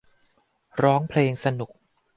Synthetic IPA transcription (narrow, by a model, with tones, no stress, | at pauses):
ɾɔː˦˥ŋpʰleː˧ŋsa˧nu˨˩k̚